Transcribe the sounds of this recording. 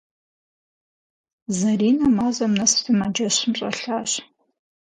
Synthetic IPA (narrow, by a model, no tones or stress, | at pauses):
zɐriːnɐmaːzɐmnɐstʰɨmad͡ʒɐɕɪmɕʼɐ̰ɬaːɕ